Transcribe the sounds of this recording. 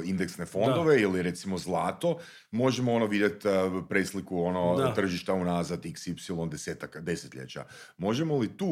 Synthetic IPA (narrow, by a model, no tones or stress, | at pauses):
ind̪e̞ksne̞fo̞nd̪o̞ʋe̞iliɾe̞t̪simo̞zlˠaːt̪o̞ | mo̞ʒemoonoʋid̪jet̪pɾeslikuono̞t̪r̩ʒiʃt̪aunaːzat̪iksipsilˠo̞nd̪eseːt̪akd̪e̞set̪ʎʲḛt͡ɕa̰ | mo̞ʒe̞molit̪uː